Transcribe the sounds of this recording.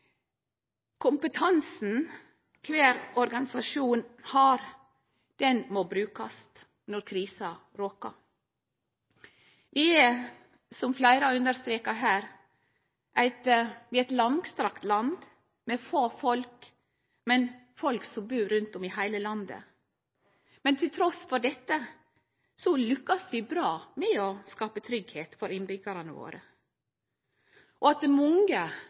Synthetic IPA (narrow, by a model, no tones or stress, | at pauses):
kʰʊmpət̪ʰɑnsn̩ | kʰʋeːɾɔɾɡɑnɪsɑʃuːnhɑːɾ | d̪̥ɛnmoːbɾʉːkɑst̪ | nɔɾkʰɾiːsɑ | ɾoːkɑ̰ | ʋɪːɛ | sɔmflæɪɾɑʉnd̪əɾst̪ɾeːkɑɦæːɾ | ʔæɪt̪ʋɪæɪt̪lɑŋɡst̪ɾɑkt̪lɑnd̪ | mɛfoːfɔlk | mɛnfɔlksɔmbʉːɾʉnt̪ɔmɪhæɪləlɑnd̪ə̰ | mɛnt̪ʰɪlt̪ʰɾɔsfɔɖɛt̪ːə | sɔlʉkːɑsʋɪbɾɑːmɛɔskɑːpət̪ʰɾʏɡheːt̪fɔɾɪnbʏɡəɾənəʋo̰ːɾə | ʔɔɑt̪̚d̪ɛmɔŋɡə